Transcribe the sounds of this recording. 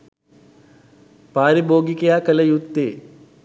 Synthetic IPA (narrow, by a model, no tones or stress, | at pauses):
paːɾiboːɡikejaːkələjut̪ːeː